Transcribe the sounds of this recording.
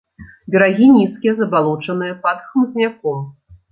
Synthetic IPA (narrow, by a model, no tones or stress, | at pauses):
bʲɛɾaɣʲinʲiskʲijɛzɐbalˠɔt͡ʂɐnɨjɐpɐt̪xmzʲnʲakɔm